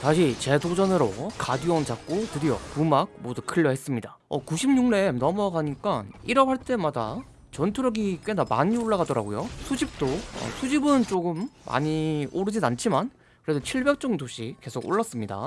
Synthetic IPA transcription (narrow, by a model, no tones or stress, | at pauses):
taɕʰit͡ɕe̞dod͡ʑʌnɯɾo̰kadɯwʌnt͡ɕak̚k͈okɯdijo̰pumak̚modukʰɯʎːʌɦhe̞s͈ɯmɲida | ʌkuɕʰimɲuŋne̞nʌmʌɡaɲik͈aniɾʌhaɭt͈e̞mada̰ | t͡ɕʌntʰuɾʌɡik͈wenama̰ɲioɭːaɡadʌɾa̰ɡojosʰud͡ʑip̚t͈oʌ̰sʰud͡ʑibɯnt͡ɕ͈oɡɯmːa̰ɲioɾɯd͡ʑinant͡ɕʰiman | kɯɾe̞sot͡ɕʰiɭbe̞k̚t͡ɕ͈ʌŋdoɕʰike̞sʰoɡo̰ɭːas͈ɯmɲida̰